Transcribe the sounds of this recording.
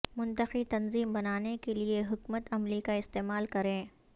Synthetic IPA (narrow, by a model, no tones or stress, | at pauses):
mʊ̃nt̪əqit̪ɐnziːmbɐnaːnekelieɦʊkmət̪ɐmlikaɪst̪eːmaːlkɐɾẽː